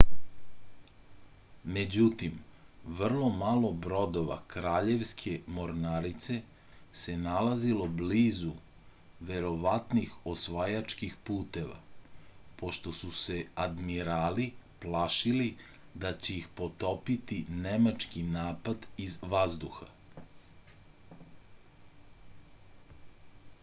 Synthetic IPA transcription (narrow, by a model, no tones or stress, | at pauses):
me̞d͡ʑut̪imʋr̩lˠo̞malˠo̞bɾo̞d̪o̞ʋa̰kɾaːʎe̞ʋskʰe̞mo̞ɾnaɾit̪se̞ | se̞nalazilo̞bliːzu | ʋe̞ɾo̞ʋat̪nixosʋajat͡ʃkixpuːt̪e̞ʋa̰ | po̞ʃt̪o̞suse̞ad̪miɾaːliplaʃili | d̪at͡ɕe̞ixpo̞t̪opit̪inemat͡ʃkinaːpad̪izʋazd̪uxa